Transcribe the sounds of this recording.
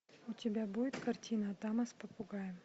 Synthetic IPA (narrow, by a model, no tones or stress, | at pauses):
ʊtʲɪbʲabudʲɪt̪kɐrtʲinəːt̪amɐspəpʊɡajɪm